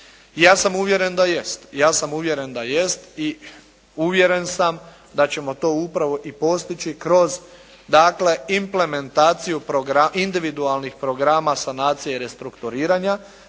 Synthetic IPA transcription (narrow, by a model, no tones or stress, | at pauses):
jaːsamuʋje̞ɾe̞nd̪ajest̪jaːsamuʋje̞ɾe̞nd̪ajest̪i | uʋje̞ɾe̞nsam | d̪at͡ɕe̞mo̞t̪o̞ːupɾaʋo̞ʔipo̞st̪it͡ɕikɾo̞z | d̪aːkle̞imple̞me̞nt̪aːt̪sijupɾoɡɾaʔind̪iʋid̪ualnixpɾo̞ɡɾaːmasanaːt̪sijeɾe̞st̪ɾukt̪uɾiːɾaɲa